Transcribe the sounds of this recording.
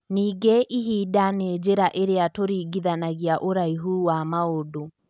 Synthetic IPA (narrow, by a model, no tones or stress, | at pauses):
niːɡeʔiɦiːdaned͡ʒeɾaʔeɾeatoɾiːɡiðanaɣiaʔoɾaiɦuːwamaodo